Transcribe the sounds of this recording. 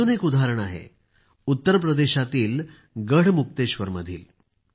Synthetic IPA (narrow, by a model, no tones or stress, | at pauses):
unekud̪ʱaɾəɳ̃aɦḛ | ut̪ːəɾp̬ɾəd̪eɕat̪iːl | ɡəɽ̤muk̚t̪eɕʋəɾməd̪ʱiːl